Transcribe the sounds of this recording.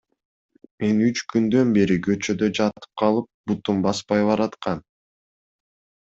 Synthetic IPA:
me̞nyt͡ʃkynd̪ø̞nbe̞ɾiɡø̞t͡ʃø̞d̪ø̞d͡ʒɑt̪ɯ̥p̚qʰɑlˠɯp̚but̪umbɑspɑjbɑɾɑt̪qɑn

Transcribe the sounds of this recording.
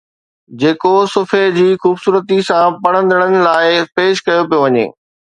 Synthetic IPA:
d͡ʑeːkosʊfʰed͡ʑiːxuːbsuːɾət̪isãpɐɽ̃ə̃nd̪ʱəɽ̃ənɪ̆laːɪpeːʃkɐjopijoʋɐɲḛː

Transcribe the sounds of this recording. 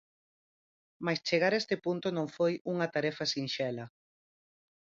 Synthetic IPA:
majst͡ʃeɣaɾɛst̪ɪpunt̪onõŋfojuŋɐt̪aɾɛfɐsinʃɛlɐ

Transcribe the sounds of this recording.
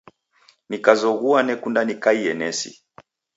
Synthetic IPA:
nikazɔɣuanɛkundanikaiɛnɛsḭ

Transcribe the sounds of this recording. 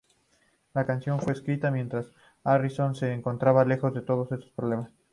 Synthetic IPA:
lakansjo̞nfwe̞ːskɾit̪amje̞nt̪ɾas | ariso̞nse̞ːŋko̞nt̪ɾaβale̞xo̞zðe̞t̪o̞ð̞o̞se̞st̪o̞spɾoβle̞mas

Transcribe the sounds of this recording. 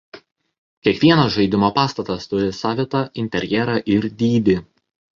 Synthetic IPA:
kʲiɛkʋʲiɛnɐsʒɐɪd̪ʲɪmoːpɑːst̪ɐt̪ɐst̪ʊɾʲɪsɑːʋʲɪt̪ɐɪnʲt̪ʲɛɾʲjɛɾɑʔɪɾd̪ʲiːd̪ʲɪ

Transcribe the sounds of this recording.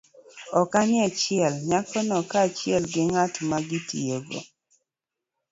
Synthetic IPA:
ɔkanɪat͡ʃɪɛlɲakɔnɔkat͡ʃɪɛlɡɪŋatmaɡɪtḭoɡo̰

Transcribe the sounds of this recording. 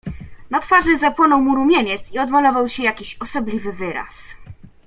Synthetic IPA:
nat̪faʐɘzapwɔnɔwmuɾumʲjeɲɛt̪siɔd̪malɔvawɕɛjakʲiɕɔsɔblʲivɘvɘɾa̰s

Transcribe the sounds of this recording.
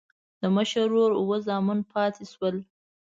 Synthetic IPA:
d̪̥əməʃəɾːoɾʊwəzɑmunpʰɑt̪ʰeʃwəl

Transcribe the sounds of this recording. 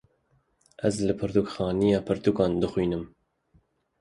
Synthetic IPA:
ʔæzlɨpʰɨɾt̪ukxɑːnijɑːpʰɨɾt̪ukɑːnd̪ɨxwiːnɨm

